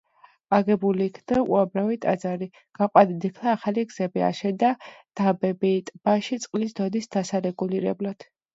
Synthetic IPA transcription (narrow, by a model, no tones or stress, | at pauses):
aɡɛbuliːkʰnd̪aṵamɾavit̪ʼa̰d̪zaɾi | ɡ̥aqʼwad̪id̪ikʰlˠaːχaliɡz̥ɛbia̰ʃɛd̪ad̪̥abɛbit̪ʼb̥aʃit̪sʼqʼlisd̪ɔd̪isd̪asaɾɛɡuliɾɛ̰blad̪̥